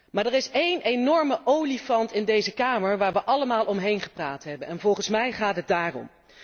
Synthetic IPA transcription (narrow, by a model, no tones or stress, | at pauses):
maːɹdɛrɪsejnenɔɹməʔowlifɑntɪndejzəkaːməɹʋaːɹʋəʔɑləmaːlˠʔɔmɦejnχə̥praːtɦɛbənɛnvɔlˠχənsmɛjχaːtɦəd̚daːrɔ̰m